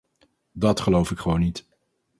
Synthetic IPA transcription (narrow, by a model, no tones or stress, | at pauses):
dɑtχəlowfɪkχəʋownːit